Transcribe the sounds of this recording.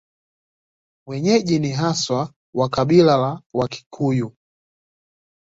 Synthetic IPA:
wɛɲɛʄiniɦaswa | wakaɓilalawakʰi̥kʰuju

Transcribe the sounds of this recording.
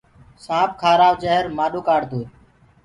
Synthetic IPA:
sãːbkʰaːɾaːʋd͡ʒəɦəɾmaːɗoːkaːɽd̪uːɾ

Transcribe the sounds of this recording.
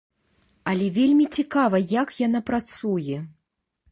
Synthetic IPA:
ɐlʲɛvʲelʲmʲit͡sʲikavɐjakjanapɾat̪sujɛ

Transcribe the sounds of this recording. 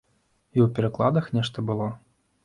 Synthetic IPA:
iwpʲɛɾɐklˠad̪ɐxnʲɛʂt̪ɐbɨlˠɔ

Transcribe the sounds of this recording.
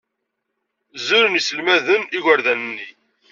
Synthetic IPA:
zʊɾənjisəlmæðəniʝəɾðænənːi

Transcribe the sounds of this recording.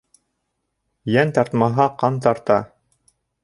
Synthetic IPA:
jænt̪ɑɾt̪mɑɦɑqɑnt̪ɑɾt̪ɑ

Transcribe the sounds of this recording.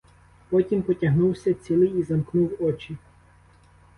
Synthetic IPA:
pɔtʲimpɔtʲɐɦnuwsʲɐt͡sʲilˠɪjizɐmknuwɔt͡ʃi

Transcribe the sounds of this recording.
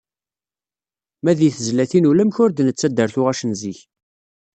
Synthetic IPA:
mæðiθəzlæθinulæmçʊɾd̪nət͡sːæd̪ːəɾθʊʁæʃənziç

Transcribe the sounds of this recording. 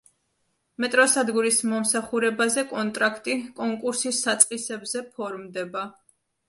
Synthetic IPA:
mɛt̪ʼɾɔsad̪ɡuɾismɔmsaχuɾɛbazɛkʼɔnt̪ʼɾakʰt̪ʼikʼɔŋkʼuɾsisːat̪sʼqʼisɛbzɛpʰɔɾmd̪ɛba

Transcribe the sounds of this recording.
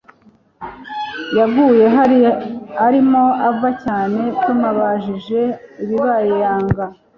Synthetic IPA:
jabɡuːje̞ɦ | aɾimo̞avacaːne̞tumaβaʒiʒe̞iβiβajejaːŋɡa

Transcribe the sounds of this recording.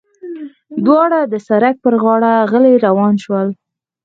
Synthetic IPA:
d̪wɑɽad̪əsaɾak̚pəɾɣɑɽaɣəleɾawɑnʃwəl

